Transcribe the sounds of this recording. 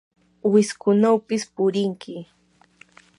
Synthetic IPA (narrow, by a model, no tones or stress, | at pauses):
wɪskʊnawpɪspʊɾɪŋkɪ